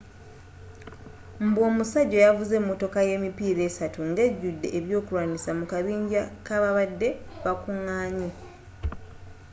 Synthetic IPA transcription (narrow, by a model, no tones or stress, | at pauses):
m̩bwo̞ːmusaɟo̞javuze̞mːo̞to̞kaje̞mipiːɾe̞ːsatuŋɡe̞ɟːudːe̞ʔːβjo̞ːkulwaːnisamukaβiːɲɟakaβaβadːe̞βakuŋːaːɲi